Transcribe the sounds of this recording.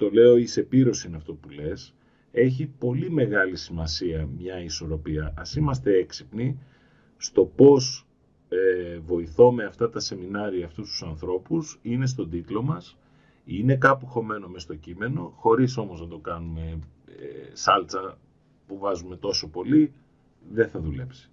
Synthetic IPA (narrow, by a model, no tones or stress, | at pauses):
t̪o̞le̞o̞ise̞piɾo̞sinɐft̪o̞pule̞s | e̞çipo̞lime̞ɣɐlisimɐsiɐmɲɐiso̞ɾo̞piɐʔɐsimɐs̬t̪e̞e̞ksipni | st̪o̞po̞s | evo̞iθo̞me̞ɐft̪ɐt̪ɐse̞minɐɾiɐːft̪ust̪u̥sɐnθɾo̞pusine̞st̪o̞d̪it̪lo̞mɐs | ine̞kɐpuexo̞me̞no̞mest̪o̞cime̞no̞xo̞ɾiso̞moznɐt̪o̞kɐnume̞ | sɐlt͡sɐ | puvɐzume̞t̪o̞so̞po̞li | ðe̞θɐðule̞psi̥